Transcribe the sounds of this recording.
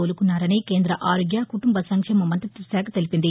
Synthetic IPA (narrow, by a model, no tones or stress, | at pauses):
oːlɯkːɯnːaːɾɐneɪkeːnd̪ɾɐʔaːɾoɡjaːkʊʈːʊmbɐsɐŋkʂɐmɐmɐnt̪ɐt̪ːɪsaːkɐt̪ːɐlɪpɪnd̪i